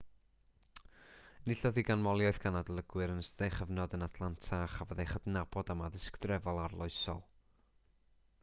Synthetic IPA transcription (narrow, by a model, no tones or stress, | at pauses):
nɪɬɔðiɡanmɔlˠjɔɨθɡ̥anadəlˠəɡwɨɾənəsðejχəvnɔdənatʰlˠantʰaχavəðejχədnabɔdamaðɪskdrɛvɔlˠarlˠɔɨsɔ̰lˠ